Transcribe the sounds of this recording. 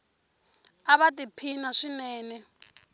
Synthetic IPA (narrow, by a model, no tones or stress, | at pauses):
aβatʼipʰinaʂinɛːnɛ